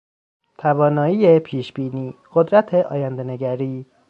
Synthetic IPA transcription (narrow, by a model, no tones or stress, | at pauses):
t̪ʰævɒːnɒːiːepʰiːʃbiːniːɢ̥od̪ɾæt̪ʰeʔɒ̰ːjænd̪e̞neɡæɾiː